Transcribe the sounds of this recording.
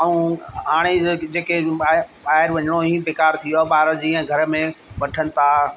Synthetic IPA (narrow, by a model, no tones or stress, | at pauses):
ɐũaːɽ̃ed͡ʑeːkeɓaːɦɪɾʋɐɲɽ̃oĩpeːkaːɾt̪ʰijoɓaːɪɾəd͡ʑiːə̃ɡʱɐɾə̆mẽʋɐʈʰənɪ̆t̪ʰa